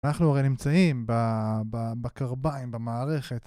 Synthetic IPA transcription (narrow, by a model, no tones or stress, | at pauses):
naχnuaʁejnimt͡saimbababakaʁbaimbemaːʁe̞χe̞t